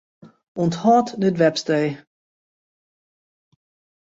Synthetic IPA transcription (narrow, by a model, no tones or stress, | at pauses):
ɔnthɔːtdətʋɛpstej